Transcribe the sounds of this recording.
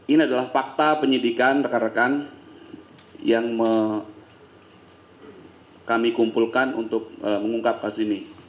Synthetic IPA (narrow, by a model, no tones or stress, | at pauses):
iniadalahfak̚t̪apəɲidikanpəkaɾakan | jaŋmə | kamikumpulkanṵnt̪ʊk̚əməŋuŋkap̚kasini